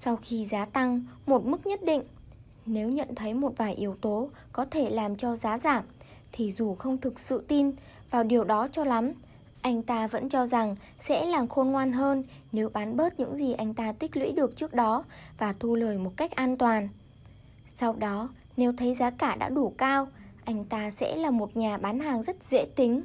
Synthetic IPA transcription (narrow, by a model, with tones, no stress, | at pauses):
sa˧wxi˧zaː˨˦t̪a˧ŋmo˨˩t̚mɨ˦˥k̚ɲə˦˥t̚ɗḭ˧˨ŋ̟ | ne˨˦wɲə̰˧˨nt̪ʰə˨˦jmo˨˩t̚vaː˨˩jʔi˨˦əwt̪o˨˦ | kɔ˨˦t̪ʰe˧˩laː˨˩mt͡ɕɔ˧zaː˨˦zaː˧˩m | t̪ʰi˨˩zu˨˩xə˧wŋ͡mt̪ʰɨ˨˩k̚sɨ̰˧˨t̪i˧n | vaː˨˩wɗi˨˩əwɗɔ˨˦t͡ɕɔ˧la˨˦m | ʔa˧jŋ̟t̪aː˧və̰˧˥nt͡ɕɔ˧za˨˩ŋ | sɛ̰˧˥laː˨˩mxo˧nŋwaː˧nɦəː˧n | ne˨˦wɓaː˨˦nɓəː˦˥t̚ɲɨ̰˧˥ŋzi˨˩ʔa˧jŋ̟t̪aː˧t̪ï˦˥k̟̚lwḭ˧˥ɗɨ˨˩ək̚t͡ɕɨ˦˥ək̚ɗɔ˨˦vaː˨˩t̪ʰu˧ləː˨˩jmo˨˩t̚ka˦˥jk̟̚ʔaː˧nt̪waː˨˩n | sa˧wɗɔ˨˦ | ne˨˦wt̪ʰə˨˦jzaː˨˦kaː˧˩ɗa̰ː˧˥ɗu˧˩kaː˧wʔa˧jŋ̟t̪aː˧sɛ̰˧˥laː˨˩mo˨˩t̚ɲaː˨˩ɓaː˨˦nhaː˨˩ŋzə˦˥t̚zḛ˧˥t̪ï˨˦ŋ̟